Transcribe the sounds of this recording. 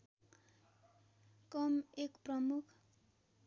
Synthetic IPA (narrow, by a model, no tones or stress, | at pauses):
kʌmekprʌmukʰ